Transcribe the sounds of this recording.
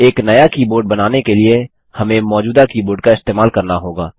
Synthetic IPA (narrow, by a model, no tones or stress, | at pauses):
eːknɐjakiːboːɖ̚bɐnaːnekelie | hɐmẽmɔːd͡ʒuːd̪akiːboːɾɖkaɪst̪eːmaːlkɐɾnaɦoːɡaː